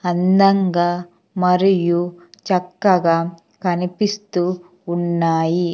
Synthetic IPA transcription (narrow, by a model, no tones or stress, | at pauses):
ɐnd̪ɐŋɡaː | mɐɾijut͡ʃɐkːɐɡaː | kɐnipist̪uː | nːaːji